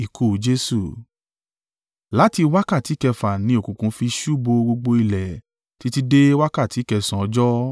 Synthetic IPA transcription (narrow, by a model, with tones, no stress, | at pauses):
i˨kʰu˨d͡ʒe˦su˦˨ | la˨˦ti˧wa˦ka˦˨ti˨˦kɛ˧fa˨nĩ˧˦o˨kũ˨kũ˨˧˦fi˧ʃu˦˨bo˧ɡ͡bo˧ɡ͡bo˧i˧lɛ˨ | ti˨˦ti˧de˦wa˦ka˦˨ti˨˦kɛ˧sã˨ɔ˧˦d͡ʒɔ˦